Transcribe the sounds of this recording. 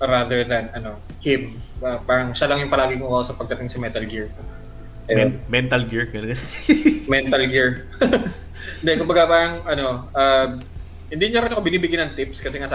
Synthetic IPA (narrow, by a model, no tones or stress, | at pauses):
ɾaðɛɹðɐnɐno̞ | hɪmɐbaːɾɐŋʃɐlɐŋjʊŋpɐlaːɡɪŋmokɐʔosɐpɐɡ̚d̪ɐt̪ɪŋsɐmɛt̪ɐlɡɪɹko | ʔɐjnmɛnt̪ɐlɡɪɹɡɐnɐ | mɛnt̪ɐlɡɪɹ | nd̪ɛkʊmbɐɡabaːɾɐŋʔɐno̞ʔɐm | hɪnd̪iɲɐɾɛnkobɪniːbɪɡjanɐŋt̪ɪpskɐsɛŋas